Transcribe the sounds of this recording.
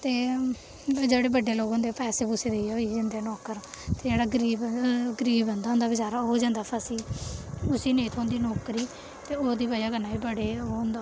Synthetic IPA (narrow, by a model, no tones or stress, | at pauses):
t̪eː | d͡ʒeːɽeːbəɖeːloːɡɦõnd̪epɛːseːbʊseːd̪eioid͡ʒə̃nd̪eːnɔːkəɾt̪eːd͡ʒeːɽaːɡəɾiːbɡəɾiːbə̃nd̪aːɦʊ̃nd̪aːbɪt͡ʃaːɾaːɦoːd͡ʒãːnd̪aːpʰəsiːʊsiːneːt̪ʰõːnd̪iːnɔːkɾiː | t̪eːoːd̪iːbaːijaːɡənːaːiːbəɽeːoːnd̪aː